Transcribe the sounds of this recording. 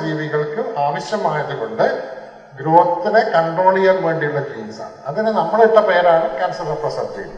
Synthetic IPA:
d͡ʑiːʋiɣɐɭkːɨaːʋɐɕjɐmaːɐðɯkoɳɖɨ | ɡɾuːɦɐt̪ːinekɐɳɖoːɭijɐːlʋe̞ːɳɖijuɭːɐd͡ʑiːnsa̰ːɳɨɐðinɨnɐmːɐɭiʈːɐpejɐɾaːɳɐkaːnsɐlɐrprɐsɐt̪ːḭl

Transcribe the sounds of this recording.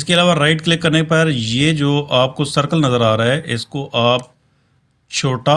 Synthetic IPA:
ɪskeɐlaːʋaɾaːɪʈklɪkːɐɾnepɐɾjeːd͡ʒoːʔaːp̚kosɐɾkəlnɐzəɾaːɾaɦɛʔɪskoʔaːp̚ | t͡ʃʰoːʈa

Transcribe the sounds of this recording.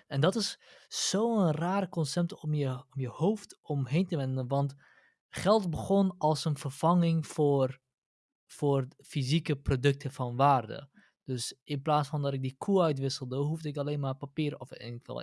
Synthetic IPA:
ɛndɑtɪssowənraːɾəkɔnsɛp̚tɔmjəmjəhowftɔmɦejntəʋɛndənʋɑnt | χɛlˠtbəχɔnɑlˠsənfərv̥ɑŋɪŋfʊːr | fʊːrfizikəprodɵk̚tʰəfɑnʋaːrdə̰ | d̥øsɪnplaːsfɑndɑtɪk̚dikʰuœɥtʋɪsəlˠdəɦuvdəɪkaleːnmaːrpapiːɾɔfnkɛ̰lˠ

